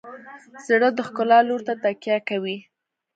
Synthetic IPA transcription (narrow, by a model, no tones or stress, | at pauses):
z̥əɽəd̪əxkʊlɑloɾt̪at̪akjakawi